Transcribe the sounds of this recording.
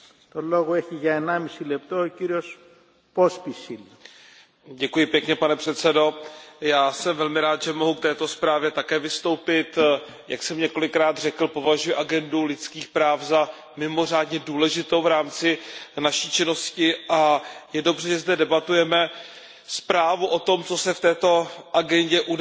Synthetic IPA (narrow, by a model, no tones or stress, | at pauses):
t̪oloɣoɛçiʝɐenamisilɛpt̪oociɾios | pospisil | ɟɛkujɪpjɛkɲɛpanɛpr̝̥ɛt̪sɛdo̞jaːsɛmvɛlmɪɾaːt̪ʒɛmo̞ɦuk̚t̪ɛːt̪o̞spɾaːvjɛt̪akɛːvɪst̪o̞wpɪt̪ | jʔa̰ksɛmɲɛko̞lɪkɾaːt̪r̝ɛkl̩po̞vaʒujɪʔaɡɛndulɪt̪t͡skiːxpɾaːfza | mɪmo̞r̝aːdɲɛduːlɛʒɪt̪o̞wvɾaːmt͡sɪnaʃiːt͡ʃɪno̞scɪʔajɛdo̞br̝ɛʒɛzdɛdɛbat̪ujɛmɛ | spɾaːvuʔo̞t̪o̞mt͡so̞sɛft̪ɛːt̪o̞ʔaɡɛɲɟɛʔud